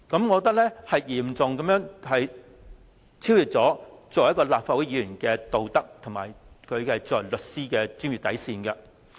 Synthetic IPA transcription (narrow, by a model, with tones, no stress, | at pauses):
kɐ˨˥mŋɔː˨˧t̪ɐ˥klɛ˥hɐ˨jjiː˨˩mt͡sʊ˨ŋkɐ˨˥mjœː˥ŋhɐ˨j | t͡sʰiː˥wjyː˨t̚t͡sɔː˨˥t͡sɔː˨jɐ˥tkːɔː˧laː˨p̚faː˧wu˨˥jiː˧˥jyː˨˩nkɛː˧t̪o˨wt̪ɐ˥k̚t̪ʰŋmaː˨˩jkʰɵ˨˧ɥɐ˨jt͡sɔː˨jlɵ˨t̚siː˥kɛː˧t͡ʃyː˥nmɥyː˨t̪ɐ˨˥jsiː˧nkɐ˧